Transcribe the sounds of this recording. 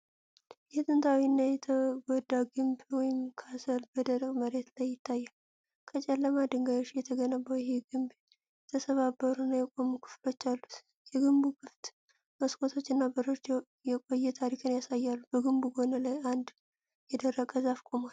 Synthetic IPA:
jɛt̪ʼɨnt̪ʰawinːajɛt̪ʰəɡɔd̪ːaɡɨmbwɔjɪmkʰasəlbəd̪əɾəkʼməɾe̞t̪lajːɪt̪ʰːajːal | kʰət͡ʃʼɛlːəmad̪ɨŋɡajot͡ʃːjɛt̪ʰəɡənəβəwjheɡɨmb | jɛt̪ʰəsəβabːəɾunːajɛkʼo̞mukʰɨ̥flo̞t͡ʃːalːu | jɛɡɨmbuɡɨft̪ | məskʼʰo̞t̪ʰo̞t͡ʃːɨnːabəɾɨd͡ʒaw | jɛkʼo̞jːɛt̪ʰaɾikʰɨnjasajːalːubəɡɨmbuɡo̞nəlajand̪ | jɛd̪ərːəkʼəzafkʼo̞mal

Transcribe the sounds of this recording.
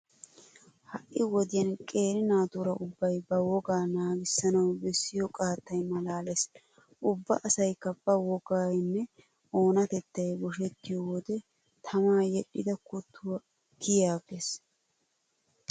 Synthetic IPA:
hɐʔːɪwɔd̪ɪjɐnkʼe̞ːɾɪnaːt̪uɾɐʔʊbːɐjbɐwɔɡaːnaːɡɪsːɐnɐwbɛsːɪjɔkʼaːt̪ːɐjmɐlaːlɛs | ʔʊbːɐʔɐsɐjkːɐb̥ɐwɔɡaːjnːɛ | o̞ːnɐt̪ɛt̪ːɐjbɔʃ̬ɛt̪ːɪjɔwɔd̪ɛ | t̪ʰɐmaːjɛɗːɪd̪ɐkʊt̪ʰːʊwɐ | kɪjaːɡes

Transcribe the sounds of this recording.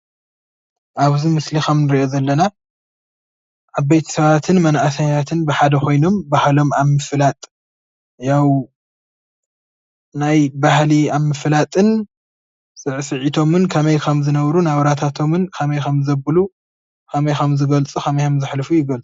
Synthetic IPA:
ʔaβzimɨslixɐmnɨɾiʔo̞zɐlːɐna | ʔaβbejt̪ʰɐ̥sɐβat̪ʰɨnmɐnʔasaɲat̪ʰɨnbɨħad̪ɐxo̞jno̞mbahlo̞maβmɨflat̪ʼ | jaw | najbahliaβmɨflat̪ʼɨn | sʼɨʕsɨʕit̪ʰo̞mɨnkʰɐmɐjkʰɐmzɨnɐβɾunaβɾat̪ʰat̪ʰo̞mɨnkʰɐmɐjkɐmzɐbɨlu | kʰɐmɐjkɐmzɨɡɐlt͡sʼukʰɐmɐjkʰɐmzɨħlɨfujɪɡɐlt͡sʼu

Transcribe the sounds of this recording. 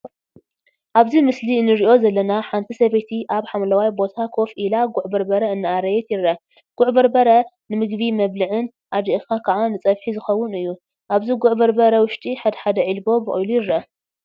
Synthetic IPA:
ʔaβzimɨsliɨnːɨɾiʔo̞zɐlːɐnaħant̪ʰisɐβet̪ʰiʔaβħamlɐwajbo̞t̪ʰakʰo̞fʔilaɡʊʕbɐɾbɐɾɐɨnːɨaɾɐjɛt̪jɪrːɐ | ɡ̥ʊʕbɐɾbɐɾɐnɨmɨɡbimɐβlɨʕɨn | ʔad̪iʔkakʰɐʕanɨt͡sʼɐβħizɨxɐwːʊnɨjːu | ʔaβziɡʊʕbɐɾbɐɾɐwʊʃt̪ʼiħad̪ɐħad̪ɐʕilbo̞bɨʔʼujlujɪrːɐ

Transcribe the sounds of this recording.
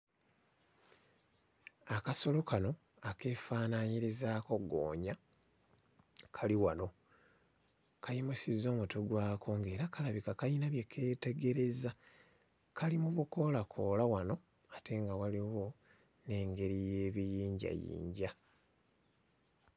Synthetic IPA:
akaso̞lo̞kano̞ | ake̞ːfaːnaɲiɾizaːko̞ɡo̰ːɲa | kʰaliwano̞ | kʰajimusizo̞ːmutoɡwaːkʰo̞ŋɡe̞ːɾakalaβikakainaβje̞kʰe̞ːte̞ɡe̞ɾe̞za | kʰalimuβuko̞lakʰo̞ːlawano̞ | atʰe̞ŋɡawaliwo̞ | ne̞ːŋɡe̞ɾije̞ːβijiːɲɟa̰jḭːɲɟa

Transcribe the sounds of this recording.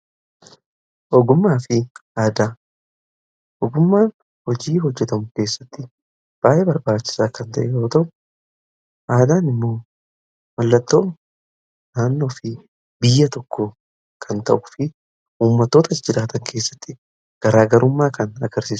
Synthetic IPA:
ʔɔɡʊmːaːfɪʔaːd̪aː | ʔɔɡʊmːaːn | hɔd͡ʒiːɦɔd͡ʒːɛt̪ɐmʊke̞ːsːɐt̪ːɪ | b̥aːjʔebɐɾbaːt͡ʃːɪ̥saːkɐnt̪ɐʔɛjo̞ːt̪ɐʔʊ | ʔaːd̪aːnɪmːo̞ː | mɐlːɐt̪ːo̞ː | naːnːo̞ːfɪ | bɪjːɐt̪ɔkːo | kʰɐnt̪ɐʔʊ̥fɪ | uːmːɐt̪ːo̞ːt̪ɐd͡ʒɪɾaːt̪ɐŋkʰe̞ːsːɐ̥t̪ːɪ | ɡ̥ɐɾaːɡɐɾʊmːaːkɐnɐ̰ɡɐɾsiːsʊ̥

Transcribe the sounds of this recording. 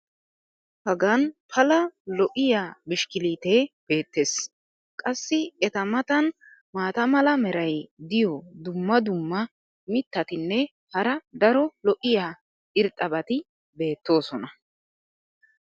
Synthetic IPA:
hɐɡɐnpʰɐlɐlɔʔɪjaːmɪʃkɪliːt̪eːb̥e̞ːt̪ːe̞s | kʼɐsːɪɛt̪ɐmɐt̪ɐn | maːt̪ɐmɐlɐmɛɾɐjd̪ɪjɔd̪ʊmːɐd̪ʊmːɐ | mɪt̪ːɐt̪ɪnːɛ | hɐɾɐd̪ɐɾɔlɔʔɪjaː | ɪɾt̪ʼɐbɐt̪ɪ | be̞ːt̪ːo̞ːsɔnɐ

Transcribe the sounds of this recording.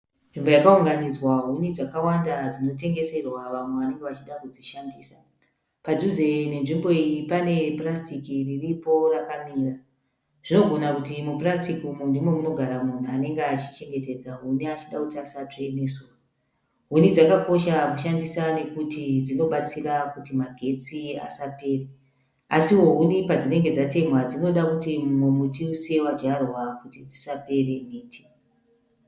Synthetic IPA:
nʐimbo̞jakauŋɡanid͡zwaɦunid͡zakawandad͡zino̞te̞ŋɡe̞se̞rwaʋamweʋane̞ŋɡeʋat͡ʃiɗakud͡ziʃandiːsa | pad͡ʒuzene̞nʐimbo̞ijipane̞prastikiriripo̞rakamiːra | ʐ̥ino̞ɡʱo̞nakutimuprastikiumundimwemuno̞ɡʱaɾamun̤uane̞ŋɡeat͡ʃi̥t͡ʃe̞ŋɡe̞te̞d͡zaɦuniat͡ʃiɗakutiasateneso | ɦunid͡zakako̞ʃamuʃandisane̞kutid͡zino̞ɓat͡siɾakutimaɡʱe̞t͡sia̰sape̞ːre | asiwo̞ɦunipad͡zine̞ŋɡe̞d͡zate̞mwad͡zino̞ɗakutimumutiuse̞wad͡ʒarwakutid͡zi̥sape̞re̞miːti̥

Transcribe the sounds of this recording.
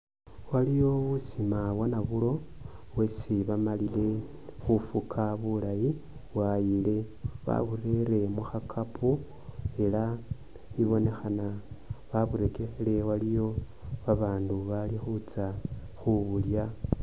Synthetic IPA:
walijo̞βusimawanaβulo̞ | wesiβamalile̞ | xufukʰaβulaji | βwajile̞ | βa̰βure̞ɾe̞muxakʰapʰu | e̞la | iβo̞ne̞xanaβaβuɾe̞kexele̞walijo̞ | βaβaːnduβalixut͡sa | xuβulja

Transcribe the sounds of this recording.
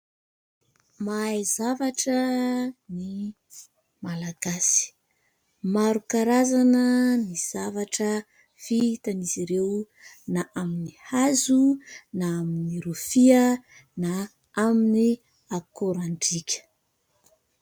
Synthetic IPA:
majzavaʈ͡ʂəni | malaɡ̥asi̥ | maɾukaɾazanəniz̥avaʈ͡ʂə | fit̪aniziɾew | naʔaminihazunaaminiɾufiə | na | amini | akoɾaɳɖ͡ʐikʲʰə̥

